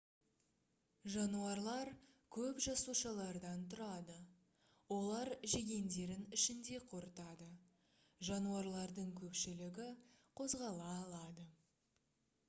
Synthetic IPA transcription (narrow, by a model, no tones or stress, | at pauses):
ʒɑnuɑɾlˠɑɾkʲʰɵpʒɑsuʃɑlˠɑɾd̪ɑnt̪ʰʊɾɑd̪ə | wo̞lˠɑɾʒe̞ɡʲe̞nd̪e̞ɾɪnɪʃɪnd̪e̞qʰo̞ɾət̪ɑd̪ə | ʒɑnuɑɾlˠɑɾd̪əɴkʲʰɵpʃɪlɪɡʲɪqʰo̞zʁɑlˠɑːlˠɑd̪ə